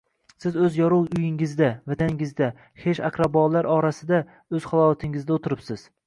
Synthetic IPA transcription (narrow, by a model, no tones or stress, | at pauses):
sɪzɵzjɒɾuwʊjɪŋɪzd̪avat̪ʰanɪŋɪzd̪a | he̞ʃakʰɾabɒlaɾɒɾasɪd̪a | ɵz̥χɒlˠɒt̪ʰɪŋɪzd̪aot̪ʰɪɾɪpsɪz̥